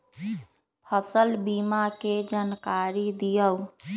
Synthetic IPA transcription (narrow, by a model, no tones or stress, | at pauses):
pʰəsəlbimaked͡ʒankaɾid̪ijəw